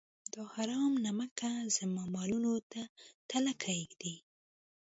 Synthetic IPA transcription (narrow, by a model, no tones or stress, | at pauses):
d̪ɑhaɾɑmnamakazamamɑlunot̪at̪alakʰajɡd̪i